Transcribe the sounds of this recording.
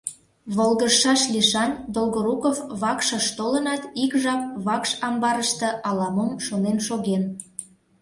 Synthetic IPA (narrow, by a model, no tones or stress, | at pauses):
βolˠɣəʃɑʃlʲiʃɑnʲd̪olɣoɾukofβɑkʃə̆ʃt̪olənɑt̪ikʒɑp̚βɑkʃɑmbɑɾəʃt̪ɤ̆ʔɑlɑməmʃonenʃoɣen